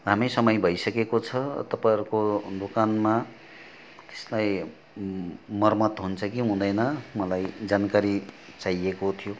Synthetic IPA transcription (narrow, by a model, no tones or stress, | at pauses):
ɦamʌjsʌmʌjbʱʌjsʌkekot͡sʰʌt̪ʌpãʌɾukod̪okanma | t̪e̥slaj | mʌrmʌt̪ɦunt͡sʰʌkiɦũd̪ʌjnʌmʌlajd͡zankaɾit͡sajekot̪ʰijo